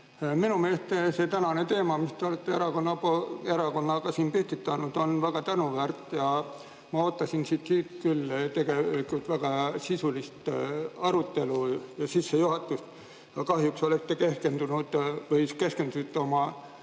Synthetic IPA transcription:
minume̞ːst̪ese̞t̪ænɑne̞t̪e̞ːmɑmist̪e̞o̞le̞t̪ːe̞eɾɑko̞nːɑpoeɾɑko̞nːɑɡ̥ɑsiːnpyht̪it̪ːˑɑnud̪̥o̞nvæɡ̥ɑt̪ænuvæːrt̪ːˑjɑ | mɑo̞ːt̪ːˑɑsinsiːt̪siːt̪kylːt̪e̞ɡ̥e̞ikːˑult̪væɡ̥ɑsisulist̪ɑɾut̪ːe̞lujɑsisːejuɦɑt̪ːˑust̪ | jɑkɑɦjukso̞lekt̪ːeke̞ske̞nd̪unud̪̥vɤjke̞ske̞nd̪̥ut̪ːo̞mɑ

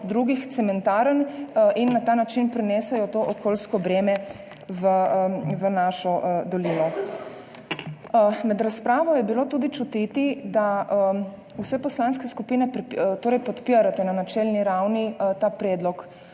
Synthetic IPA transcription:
d̪ɾuɡixt̪sɛmɛnt̪aːɾəninːat̪aːnat͡ʃinpɾɛnɛsɛjɔt̪oːʔɔkoːlskɔbɾɛːmɛ | ʋəʋənaːʃɔd̪ɔliːnɔ | mɛd̪ɾaspɾaːʋɔjɛbiloːt̪ud̪it͡ʃut̪it̪id̪a | uwsɛpɔslaːnskɛskupiːnɛpɾt̪oːɾɛjpɔt̪piɾat̪ɛnanat͡ʃɛlniɾawnit̪aːpɾɛːd̪lɔk

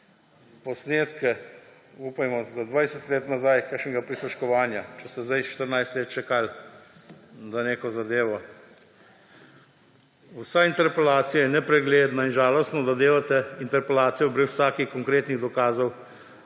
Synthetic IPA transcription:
pɔsneːt̪kɛ | uːpajmɔzad̪ʋajsɛt̪leːt̪nazajkaʃnɛɡapɾisɔʃkɔʋaːnjat͡ʃɛst̪ɛzd̪ajʃt̪əɾnajst̪leːt̪̚t͡ʃɛkal | zaneːkɔzad̪eːʋɔ | usaint̪ɛɾpɛlaːt̪sijajɛnɛpɾɛɡleːd̪nainʒaːlɔst̪nɔd̪ad̪eːʋat̪ɛint̪ɛɾpɛlaːt̪sijɔpɾɛwsaːkixkɔŋkɾeːt̪niɣd̪ɔkaːzɔw

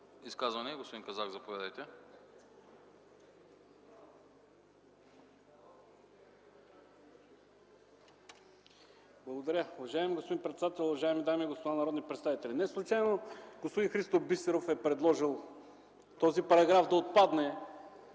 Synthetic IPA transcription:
iskazvɐnɛɡospod̪inkɐzakzɐpovʲad̪ɛjt̪ɛ | blˠɐɡod̪ɐɾʲəʊvɐʒaɛmiɡospod̪inpɾɛt̪sɛd̪at̪ɛlʲˠʊvɐʒaɛmid̪amiɛɡospod̪anɐɾɔd̪nipɾɛt̪st̪avit̪ɛlʲinɛslˠut͡ʃajnoɡ̥ospod̪inxɾist̪ovbist̪ɛɾofɛpɾɛd̪lˠɔʒilˠ | t̪ɔzipɐɾɐɡɾafd̪ɐot̪̚pad̪nɛ

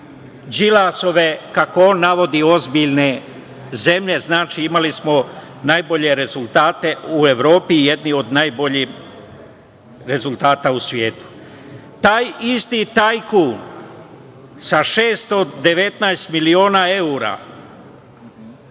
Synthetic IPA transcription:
d͡ʒilaso̞ʋe̞kakooːnːaʋo̞d̪io̞zbiʎne | ze̞mʎe̞znaːt͡ʃiːimalismo | najbo̞ʎe̞ɾezulˠt̪aːt̪e̞ue̞ʋɾo̞ːpije̞d̪nio̞d̪najbo̞ʎim | ɾe̞zulˠt̪aːt̪ausʋjeːt̪u̥ | t̪aːjist̪it̪ajkuːn | saʃeːst̪od̪e̞ʋe̞t̪naest̪milio̞ːnae̞uɾa̰ː

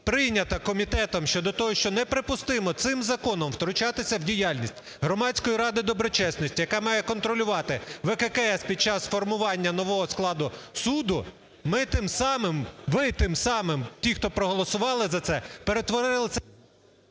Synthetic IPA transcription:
pɾɪjnʲɐt̪ɐkɔmʲit̪ɛt̪ɔmʃt͡ʃɔd̪ɔt̪ɔɦɔʃt͡ʃɔnɛpɾɪpʊst̪ɪmɔt̪sɪmzɐkɔnɔmwt̪ɾʊt͡ʃɑt̪ɪsʲɐwdʲijɑlʲnʲisʲtʲ | ɦɾɔmɑtʲt͡sʲkɔjiɾɑd̪ɪd̪ɔbɾɔt͡ʃɛsnɔsʲtʲijɐkɑmɑjɛkɔnt̪ɾɔlʲʊʋɑt̪ɪʋɛkɛkɛɛspʲid̪̚t͡ʃɑsfɔrmʊʋɑnʲːɐnɔʋɔɦɔsklˠɑd̪ʊsud̪ʊ | mɪt̪ɪmsɑmɪmʋɪt̪ɪmsɑmɪmtʲixt̪ɔpɾɔɦɔlˠɔsʊʋɑlˠɪzɐt̪sɛpeɾet̪ʋɔɾɪlˠɪ

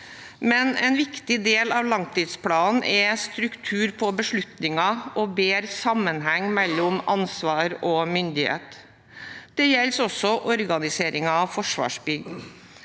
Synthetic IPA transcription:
mɛnɛnʋɪkt̪ɪd̪eːlɑʋlɑŋt̪ʰiːd̪spʰlɑːnn̩ʔɛst̪ɾʉkt̪ʰʉːɾpʰɔbəʂɭʉt̪nɪŋɑʔɔbeːɾsɑmənɦɛŋːmɛlːɔmɑnsʋɑːɾɔmʏnd̪ɪhḛːt̪ | d̪̥ɛjɛlsɔsːɔʔɔɾɡɑnɪseːɾɪŋɑfɔʂʋɑ̰ːʂbʏɡ̪

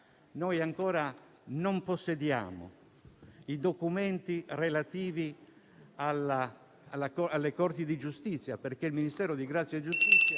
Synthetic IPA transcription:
nojaŋkɔːɾa | nomposːed̪ja̰ːmo̰ | id̪okument̪irelat̪iːvi | ala | alakɔalːekɔrt̪id̪id͡ʒust̪it̪sːjaperkeilminist̪ɛːɾod̪iɡɾat̪sːjed͡ʒust̪it̪sːja

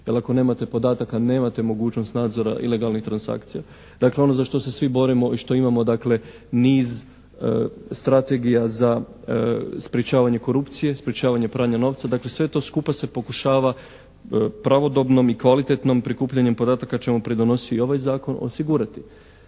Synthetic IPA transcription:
jelˠako̞ne̞ːmat̪e̞po̞d̪aːt̪akane̞ːmat̪e̞mo̞ɡuːt͡ɕno̞st̪naːd̪zo̞ɾa̰ʔḭle̞ɡalˠnixt̪ɾansa̰kt̪sija | d̪akleo̞no̞zaʃt̪o̞se̞sʋibo̞ɾimo̞ʔiʃt̪o̞imamo̞d̪akle̞ | niːz | st̪ɾat̪e̞ɡijaza | spɾjet͡ʃaːʋaɲe̞ko̞ɾupt̪sije̞spɾjet͡ɕaːʋaɲe̞pɾaːɲano̞ʋt̪sad̪akle̞sʋe̞t̪o̞ːskupase̞po̞kuʃaːʋa | pɾaʋo̞d̪o̞bno̞mikʋalit̪e̞t̪no̞mpɾikuːpʎaɲe̞mpo̞d̪aːt̪akat͡ʃemupɾid̪o̞no̞siio̞ʋajzaːko̞no̞̰siɡuɾat̪i

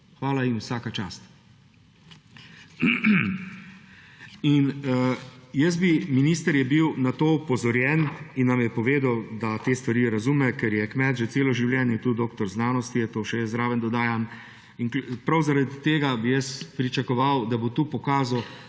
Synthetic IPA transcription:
xʋaːlainwsaːkat͡ʃaːst̪ | in | jəs̚biminiːst̪əɾjɛbiwnat̪oːupɔzɔɾjɛninːamjɛpɔʋeːd̪awd̪at̪eːst̪ʋaɾiːɾazuːmɛkɛɾjɛkmɛt̪ʒɛseːlɔʒiwljɛːnjɛt̪ud̪oːkt̪ɔɾznaːnɔst̪iɛt̪oːʃɛjəzɾaːʋənd̪ɔd̪aːjam | inpɾawzaɾad̪it̪eːɡabijəspɾit͡ʃakɔʋawd̪abot̪uːpɔkaːzɐw

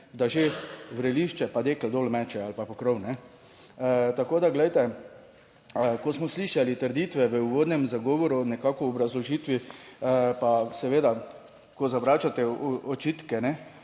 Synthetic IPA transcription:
d̪aʒeʋɾɛliʃt͡ʃɛpad̪eːklɛd̪olmɛt͡ʃɛalpapɔkɾɔwnɛ | t̪akoːd̪aɡlɛjt̪ɛ | kosmɔsliːʃalit̪əɾd̪it̪ʋɛʋəuʋoːd̪nɛmzaɡɔːʋɔɾunɛkakɔːbɾazlɔʒiːt̪ʋi | pasɛʋeːd̪a | kɔzaʋɾaːt͡ʃat̪ɛɔt͡ʃit̪kɛnɛ

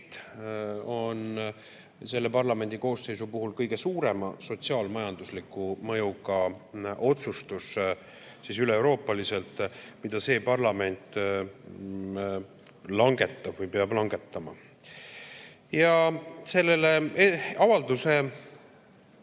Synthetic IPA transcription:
t̪ | o̞n | se̞lːe̞pɑrlɑme̞nʲd̪̥iko̞ːsːe̞jsupuɦulkɤjɡ̥e̞suːɾe̞mɑ̰so̞t̪siɑːlmɑjɑnd̪uslikːˑumɤjuɡɑʔo̞t̪sust̪us | sisyleːwɾo̞ːpːˑɑlise̞lt̪ˑmid̪̥ɑse̞ːpɑrlɑme̞nt̪ˑ | lɑŋɡ̥e̞t̪ːɑb̥vɤjpeɑblɑŋɡe̞t̪ːɑmɑ | jɑse̞lːeleɑvɑld̪use̞

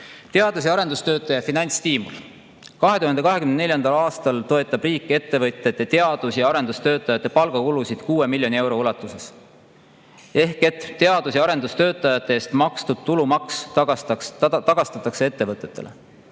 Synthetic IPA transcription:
t̪e̞ɑd̪̥us̬jɑɑɾe̞nd̪̥ust̪ø̞ːt̪ːˑɑjɑfinɑjnʲt̪st̪iːmṵl | kɑɦe̞t̪uhɑnd̪e̞kɑɦe̞kymnneljɑnd̪̥ɑlɑːst̪ɑlt̪o̞e̞t̪ˑːɑb̥riːkːˑe̞t̪ːe̞vɤt̪ʲːˑet̪ːˑe̞t̪e̞ɑd̪̥usjɑɑɾe̞nd̪ust̪ø̞ːt̪ːˑɑjɑt̪ːˑe̞pɑlɡ̥ɑkulusid̪̥kuːe̞milʲːjo̞nie̞wɾo̞ulɑt̪ːˑuse̞s | e̞hket̪t̪e̞ɑd̪̥usjɑɑɾe̞nd̪ust̪øːt̪ːˑɑjɑt̪ːˑe̞eːst̪mɑkst̪ud̪̥̚t̪ulumɑkssɑt̪ɑɡ̥ɑst̪ɑt̪ːˑɑkse̞e̞t̪ːe̞vɤt̪ːˑe̞t̪ːe̞̰le

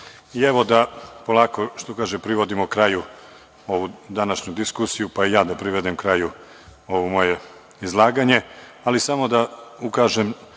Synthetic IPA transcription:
ieʋo̞d̪apo̞lˠaːko̞ʃt̪okaːʒempɾiʋo̞d̪imokɾaju | o̞ʋud̪anaʃɲud̪iskusijupaijaːd̪apɾiʋed̪emkɾaju | o̞ʋomo̞je̞ | izlˠaːɡaɲe̞ | alisamo̞d̪aukaːʒem

